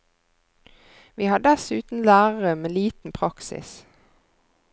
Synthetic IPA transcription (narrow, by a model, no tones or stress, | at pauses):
ʋiːhɑːɖɛsʉːt̪n̩læːʁəʁəmeːliːt̪n̩pʰʁɑksɪ̰s